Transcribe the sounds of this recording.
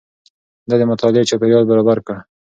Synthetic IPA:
d̪ɑd̪əmʊt̪ɑlɪet͡ʃɑpeɾjɑd̪̚baɾɑbaɾka

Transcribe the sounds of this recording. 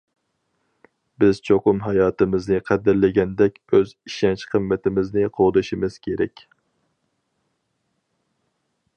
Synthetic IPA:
bɪz̥t͡ʃʰoqʊmɦɑjɑːt̪ɨmɪznɨqʰæd̪ɪɾlɪɡʲɛnd̪ɛkʲøziʃɛnt͡ʃqʰəmːɪt̪ʰɪmɪznɪqʰoʁd̪ɨʃimɨz̥kʲʰeɾɛkʲ

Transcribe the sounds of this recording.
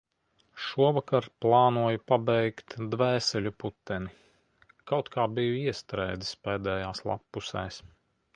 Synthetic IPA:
ʃuɔvakaɾplˠɑːnuɔjupabɛjkt̪d̪væːsɛlʲuput̪ːɛni | kawt̪kʰaːbijuiɛst̪ɾɛjd̪ɨspɛːd̪ɛːjaːslˠa̰pːusɛːs

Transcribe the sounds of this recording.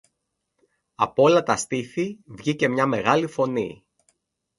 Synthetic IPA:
ɐ̰po̞lɐt̪ɐst̪iθivʝice̞mɲɐme̞ɣɐlifo̞nḭ

